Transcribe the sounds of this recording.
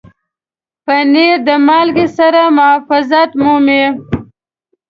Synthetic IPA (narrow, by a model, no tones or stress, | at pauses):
pəneɾd̪əmɑlɡisaɾamʊafɪzat̪mome